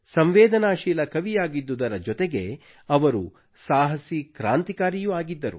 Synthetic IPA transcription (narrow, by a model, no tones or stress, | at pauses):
sɐmʋeːd̪ʱɐnaːʃiːlɐkɐʋijaːɡid̪ːud̪ɐɾɐd͡ʒɔt̪eɡe̞ | ɐʋɐɾu | saːɦɐsikɾaːnt̪ikaːɾijuaːɡid̪ːɐɾṵ